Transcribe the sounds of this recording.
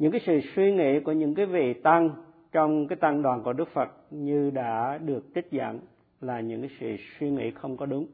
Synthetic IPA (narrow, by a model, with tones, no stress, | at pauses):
ɲɨ̰˧˥ŋkaː˨˦jsɨ̰˧˨swi˧ŋḭ˧˥ku˧˩əɲɨ̰˧˥ŋkaː˨˦jvḭ˧˨t̪a˧ŋ | t͡ɕɔ˧wŋ͡mkaː˨˦jt̪a˧ŋɗwaː˨˩nku˧˩əɗɨ˦˥k̚fə˨˩t̚ɲɨ˧ɗa̰ː˧˥ɗɨ˨˩ək̚t̪i˦˥t̟̚zə̰˧˨n | laː˨˩ɲɨ̰˧˥ŋkaː˨˦jsɨ̰˧˨swi˧ŋḭ˧˥xə˧wŋ͡mkɔ˨˦ɗʊ˨˦ŋ͡m